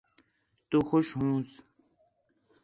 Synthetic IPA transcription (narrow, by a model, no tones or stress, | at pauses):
t̪uxʊʃɦũːs